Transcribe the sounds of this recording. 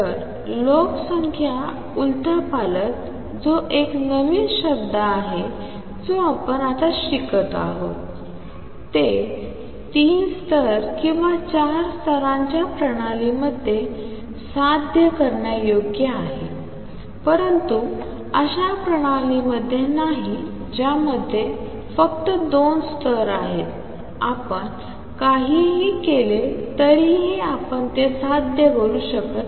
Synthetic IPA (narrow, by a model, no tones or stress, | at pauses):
əɾ | loksəŋkʰja | ult̪əpalət̪ | d͡zoʔeknəʋiːnɕəb̚d̪aːɦe | d͡zoapənat̪aɕikət̪a̰ɦo̰t̪ | t̪e | t̪iːnst̪ʰəɾkĩw̃ʋat͡ɕaɾst̪ʰəɾãɲt͡ɕjapɾəɽ̃aliməd̪ʱje | sad̪ʱjəkəɾɳjajoɡjəaɦḛ | pəɾənt̪u | əɕapɾəɽ̃aliməd̪ʱːjenaɦi | d͡ʑjaməd̪ʱːje | fək̚t̪əd̪onst̪ʰəɾa̰ɦet̪ | apəɳ | kaɦiɦikelet̪əɾiɦiapəɳt̪esad̪̚ʱdjəɡʱoluːɕəkət̪